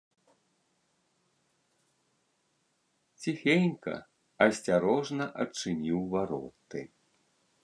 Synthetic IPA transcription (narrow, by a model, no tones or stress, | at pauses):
t͡sʲixʲenʲkɐ̰ | ɐsʲt͡sʲaɾɔʐnɐʔɐt͡ʂɨnʲiwvaɾɔ̰t̪ɨ̰